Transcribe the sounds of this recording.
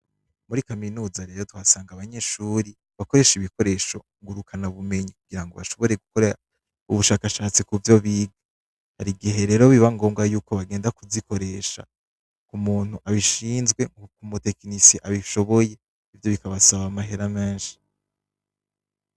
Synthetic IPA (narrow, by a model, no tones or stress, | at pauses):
muɾikaminuːzaɾe̞ːɾo̞duhasaːŋɡaβaɲe̞ʃuːɾi | βako̞ɾe̞ːʃiβiko̞ɾe̞ːʃo̞ | ŋɡuɾukʰanaβume̞ɲikuɡ̥iɾaŋɡo̞βa̰ʃo̞βo̞ɾe̞ɡukoɾa | uβuʃaːkaʃaːt͡sikuvjo̞βiːɡa | haɾiɡiɦe̞ɾeːɾo̞βiβaŋɡo̞ːmɡajuːko̞βaɡe̞ːndakuziko̞ɾe̞ːʃa̰ | kumuːn̥huʔaβiʃiːnzɡwe̞kumute̞knisiʔaβiʃo̞βo̞je̞ | ivjo̞βikaβasaβamaɦe̞ɾameːnʃi̥